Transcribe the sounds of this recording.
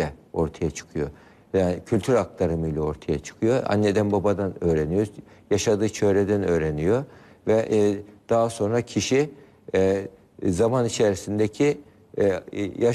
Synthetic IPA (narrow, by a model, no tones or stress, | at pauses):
ɛo̞ɾt̪ʰajat͡ʃʰɯ̥kʰɯjo̞ | acʰylʲt̪ʰyɾak̚lˠaɾɯmɯjlʲˠao̞ɾt̪ʰajat͡ʃʰɯ̥kʰɯjo̞a̰nːe̞d̪ænbabad̪anøːɾenijo̞jaʃad̪ɯːt͡ʃʰø̞ɾed̪ænø̞ːɾenijo̞ | vɛʔd̪̥aɦaso̞nɾacʰiʃi | zamanit͡ʃʰeɾisind̪ecʰi | ja